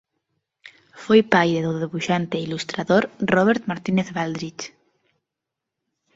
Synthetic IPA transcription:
fojpajɾeðoðeβuʃant̪eilust̪ɾaðoɾrɔβ̞eɾt̪maɾt̪ineθβald̪ɾit͡ʃ

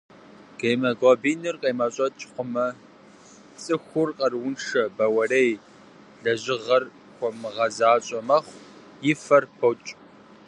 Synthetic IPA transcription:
keːmɐɡʷɔːbiːnɨrqʼejmɐɕʼɐtʼqʷʊmɐ | t͡sʼɨxʷʊrqʼɐrwʊnʂɐbɐwɐrej | ɮɐʑɪʁɐr | kʷɔmɨʁɐzaːɕʼɐmɐχʷ | jɪfɐrpʰowt͡ʃʼ

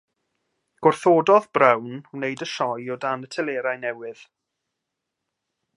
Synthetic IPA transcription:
ɡ̥ʊrθoːdɔðbrɛwnnejdəʃɔjɔdanətʰɛleːɾajnɛwɪð̥

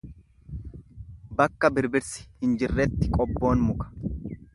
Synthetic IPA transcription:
bɐkːɐbɪɾbɪɾsɪ̥hɪnd͡ʒɪrːɛt̪ːɪkʼɔbːo̞ːnmʊkɐ̥

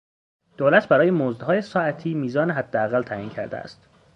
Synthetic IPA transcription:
d̪̥oːlæt̪ʰbæɾɒːjemoːzd̪hɒːjesɒːæt̪ʰiːmiːzɒːneɦæd̪ːeæɣælt̪ʰæʔiːncʰæ̰ɾd̪ḛæ̰st̪

